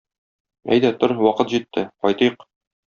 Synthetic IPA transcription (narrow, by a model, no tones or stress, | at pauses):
æ̰jd̪æt̪oɾwɒqɤt̪ʑit̪ːɘqɒjt̪ɤjq